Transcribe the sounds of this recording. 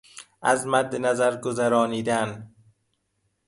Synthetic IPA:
æzmæd̪ːenæzæɾɡozæɾɒːniːd̪æn

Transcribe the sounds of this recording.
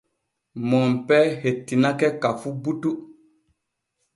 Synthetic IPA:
mɔmpɛhetːinakɛkafubutu

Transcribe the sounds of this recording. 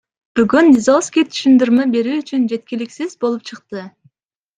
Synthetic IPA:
b̥yɡʲynːizɑskʲit̪ʰy̥ʃynd̪yɾmæbe̞ɾyːyt͡ʃʰynd͡ʒe̞t̪̚kʲilɪkʲsɪzbo̞lˠup̚t͡ʃʰɨqt̪ɨ

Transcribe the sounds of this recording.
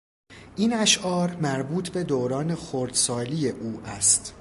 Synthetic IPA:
ʔinæʃʔɒːɾmæɾbuːt̪ʰbe̞d̪oːɾɒːne̞xoɾd̪̥sɒːliːje̞ʔuːʔæst̪

